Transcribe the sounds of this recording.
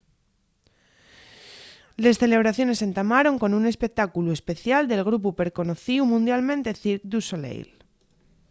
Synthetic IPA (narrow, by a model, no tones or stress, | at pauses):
le̞sθe̞le̞β̞ɾaθjo̞ne̞se̞nt̪amaɾo̞ŋko̞nune̞spek̚t̪akulue̞spe̞θjald̪e̞lɣ̞ɾup̬upe̞ɾko̞noθiumũnd̪jalmẽ̞nt̪eθiɾk̚d̪usolḛjl